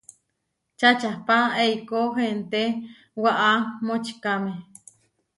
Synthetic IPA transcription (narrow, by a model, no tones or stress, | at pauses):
t͡ʃat͡ʃahpaeikoɦent̪e | waʔamot͡ʃkame